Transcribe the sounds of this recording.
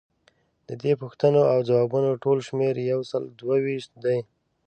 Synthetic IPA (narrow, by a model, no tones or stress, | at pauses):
d̪̥əd̪epuxt̪ənoawd͡zawɑbunoʈolʃmeɾjawsəld̪wawiʃt̪̚d̪aj